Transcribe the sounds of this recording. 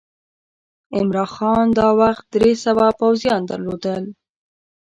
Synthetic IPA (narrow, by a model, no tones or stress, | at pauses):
ɪmɾɑnxɑnd̪ɑwaxt̪̚d̪ɾesawɑpawzjɑnd̪aɾlod̪əl